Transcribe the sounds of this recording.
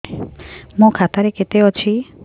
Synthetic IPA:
mũkʰat̪aɾeket̪eɔt͡ʃʰi

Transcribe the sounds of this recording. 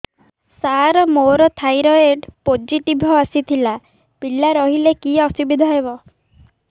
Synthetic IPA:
saɾɔmoɾɔt̪ʰajɾɔeɖpod͡ʒiʈibʱɔasit̪ʰila | pilaɾɔɦilekiɔsibid̪ʱɔɦebɔ

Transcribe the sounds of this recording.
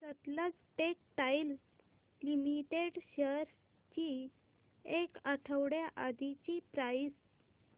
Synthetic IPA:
sət̪lət͡sʈek̚ʈajl | limiʈeɽɕəɾ | t͡ɕi | ekəʈʰəwɽjaʔad̪it͡ɕipɾajs

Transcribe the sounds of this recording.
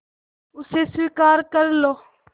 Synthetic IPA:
ʊseːswiːkaːɾkəɾloː

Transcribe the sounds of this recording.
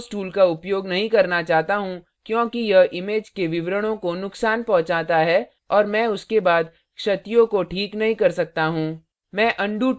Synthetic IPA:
sʈuːlkaʊpjoːɡnɐɦĩkɐɾnat͡ʃaːɦt̪aɦũ | kjõːkijɐɦʔɪmeːd͡ʒkeʋɪʋɾəɽ̃õkonʊksaːnpɔ̃ɦt͡ʃaːt̪aɦɛː | ɔːɾmɛ̃ːʊskebaːd̪ | kʃɐt̪jõkoʈʰiːknɐɦĩkɐɾsɐk̚t̪aɦũː | mɛ̃ːʔɐ̃ɳɖu

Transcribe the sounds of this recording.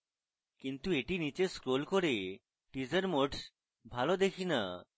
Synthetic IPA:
kint̪ueʈinit͡ɕeskɾolkoɾe | ʈid͡ʑaɾmoʈs | bʱalod̪ekʰina̰

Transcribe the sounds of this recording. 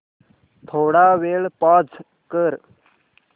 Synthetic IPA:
t̪ʰoːɽaʋeːɭpad͡z | kəɾ

